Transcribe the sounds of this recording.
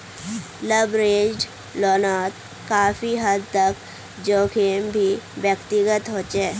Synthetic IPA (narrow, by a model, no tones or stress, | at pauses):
ləbɾeːd͡ʒɖ | lɔːnaːt̪ | kaːfiɦəd̪̚t̪ək | d͡ʒoːkʰeːmbʱiwjəkt̪ɪɡət̪ɦoːt͡ʃeː